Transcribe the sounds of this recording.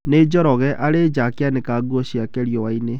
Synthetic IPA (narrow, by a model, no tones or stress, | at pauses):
neːd͡ʒɔɾɔɣɛʔaɾed͡ʒakeanekaːɡwɔɕiakɛɾjɔwaine